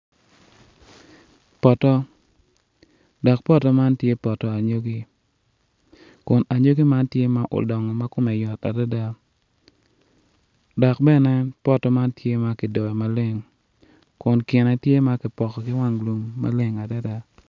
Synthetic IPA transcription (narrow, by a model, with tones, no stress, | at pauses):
pɔ˨tɔ˦ | dɔ˨k̚pɔ˦tɔ˨˦ma˦ntje˦pɔ˨tɔ˨a˨ɲo˦ɡi˦ | kʊ˨na˨ɲo˦ɡi˦ma˦ntje˦ma˦ʔo̰˨dɔ˨ŋɔ˨ma˦kʊ˦mɛ˨jɔ˨ta̰˨da˦da˦ | dɔ˨k̚bɛ˦nɛ˦pɔ˦tɔ˦ma˦ntje˦ma˦kɪ˨dɔ˨ɛ˨ma˨le˦ŋ | kʊ˨nkɪ˨nɛ˦tje˦ma˦kɪ˨pɔ˨kɔ˨kɪ˦wa˦ŋlo˨ŋma̰˦le˦ŋa˨da˦da˦